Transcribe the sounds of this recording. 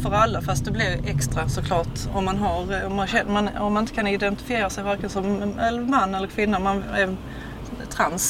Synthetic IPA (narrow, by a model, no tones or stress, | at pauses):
fœɾalːafast̪̚d̪ɛblɪɾɛkst̪ɾasɔkʰlɑːʈɔmːanɦaɾɔmːanɕɛmanɔ̰mːanɪnt̪əkʰanɪd̪ɛnt̪ɪ̥fɪeːɾasɛjvæɾkənsɔmɛlːəɾmanːɛlːəɾkʰvɪnːamanɛɾ | t̪ʰɾans